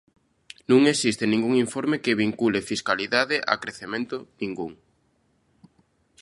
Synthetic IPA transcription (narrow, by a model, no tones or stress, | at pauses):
nũŋesist̪ɪnĩŋɡuŋiɱfoɾmekɪβiŋkulefiskaliðaðɪʔa̰kɾeθemẽnt̪ʊnĩŋɡuŋ